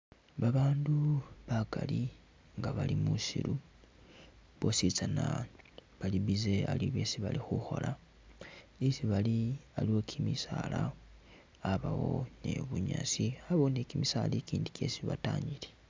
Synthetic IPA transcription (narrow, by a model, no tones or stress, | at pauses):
βaβaːnduβakali | ŋɡaβalimusḭlu | βo̞sit͡sanaβaliβizealiβje̞siβalixuxo̞̰la | isiβalialiwo̞kʰimisaːlaː | βawo̞̰ne̞̰βuɲasiaβonekimisalekiːndike̞siβataːɲile